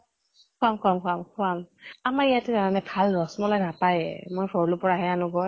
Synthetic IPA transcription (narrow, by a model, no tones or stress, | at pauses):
kʰamkʰuamkʰamkʰʊamamaɹijatɛkaɹanɛbʱalɹɔsmɔlɔjnapajmojbʰʱɔɹlʊpɔɹaɦɛanʊɡɔj